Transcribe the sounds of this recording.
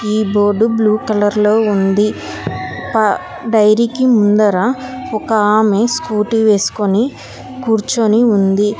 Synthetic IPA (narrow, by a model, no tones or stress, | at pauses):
iːbo̞ːɾɖubluːkɐlɐɾlo̞ːund̪i | pɐ | ɖɐjɾikimund̪ɐɾaɔkɐaːmeskuːʈiʋeːsu̥ko̞ni | kuːɾt͡ʃoniund̪i